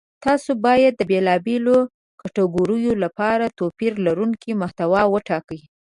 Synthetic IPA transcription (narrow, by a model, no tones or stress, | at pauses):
t̪ɑsobɑjad̪̚ːəbelɑbelo | kaʈaɡoɾəjolapɑɾat̪opiɾlaɾuŋkimaht̪awɑwəʈɑkəj